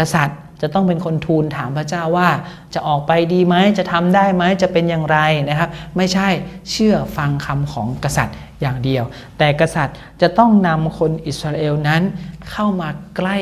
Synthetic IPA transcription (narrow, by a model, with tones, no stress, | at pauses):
ka˧sa˨˩t̪̚ | t͡ɕa˨˩t̪ɔ˥˩ŋpe˧nkʰo˧nt̪ʰuː˧nt̪ʰaː˩˦mpʰɾa˦˥t͡ɕaː˥˩wːaː˥˩ | t͡ɕa˨˩ʔɔː˨˩k̚pa˧jdiː˧ma˦˥jt͡ɕa˨˩t̪ʰa˧mdaː˥˩jma˦˥jt͡ɕa˨˩pe˧njaː˨˩ŋɾa˧jna˦˥kʰa˦˥p̚ma˥˩jt͡ɕʰa˥˩jt͡ɕʰɯ˥˩ɐfa˧ŋkʰa˧mkʰɔː˩˦ŋka˧sa˨˩t̪̚ | jaː˨˩ŋdi˧əw | t̪ɛː˨˩ka˧sa˨˩t̪̚ | t͡ɕa˨˩t̪ɔ˥˩ŋna˧mkʰo˧nʔi˨˩t̪sɾaː˧ʔeː˧wna˦˥nkʰa˥˩wmaː˧kla˥˩j